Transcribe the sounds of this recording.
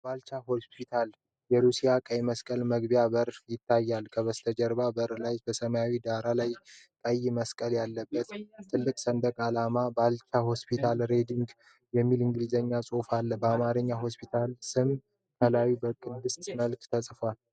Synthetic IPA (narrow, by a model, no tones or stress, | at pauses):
balt͡ʃaɦo̞spʰit̪ʰal | jɛɾusijakʼəjməskʼəlməɡbijaβəɾjɪt̪ʰːajːalkʰəβəst̪ʰəd͡ʒəɾβabəɾlajb̥əsəmajawid̪aɾalaj | kʼəjːməskʼəljalːəbːət̪t̪ʰːɨlːɨkʼsənd̪əkʼalamabalt͡ʃaho̞spʰit̪ʰalɾe̞d̪iŋɡ | jɛmːilɨŋɡlizəɲːasʼo̞falːəbəamaɾɨɲːaɦo̞spʰit̪ʰalsɨm | k̪ʰəlawibəkʼɨnd̪ɨst̪ʼməlkt̪ʰəsʼfwal